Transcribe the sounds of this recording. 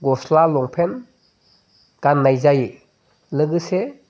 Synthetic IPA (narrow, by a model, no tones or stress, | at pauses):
ɡɔslalɔŋpʰen | ɡ̥anːajzaji | lɯɡɯse